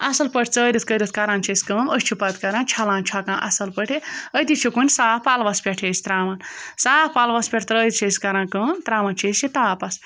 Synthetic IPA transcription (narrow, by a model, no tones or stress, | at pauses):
ɐsɐlpəʈʰʲt͡səːɾit̪̚kəɾit̪kɐɾãːnt͡ʃʰisʲkəməsʲt͡ʃʰipɐt̪kɐɾãːnt͡ʃʰalãːnt͡ʃʰakãːnʔɐsɐlpəʈʰiət̪it͡ʃʰikunʲsaːpalʋɐspʲɛʈʰeːsʲt̪ɾaːmɐnsaːpalʋɐspʲeʈʰʲt̪ɾəːt̪t͡ʃʰesʲkɐɾãːkəːnt̪ɾaːmɐnt͡ʃʰisit̪aːpɐs